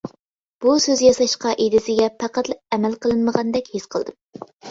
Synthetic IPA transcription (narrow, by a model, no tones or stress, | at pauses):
b̥usøzjɑsɑʃqɑʔed̪ɪsɪɡʲɛpʰæqæt̪lˠɨp̚ɛmælqəlˠɨnməʁɑnd̪ɛkʲhesqʰəlˠd̪ɨm